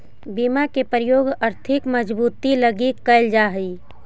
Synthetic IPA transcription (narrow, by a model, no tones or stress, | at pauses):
biːmakepɾəjoːɡəɾt̪ʰɪkməd͡ʒbuːt̪iləɡikəɪld͡ʒaːɦi